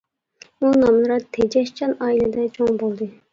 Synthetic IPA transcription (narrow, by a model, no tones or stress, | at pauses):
unɑmlˠɨɾɑt̪ʰed͡ʒɛʃt͡ʃʰɑnɑːilɛd̪ɛt͡ʃʰoŋbolˠd̪ɨ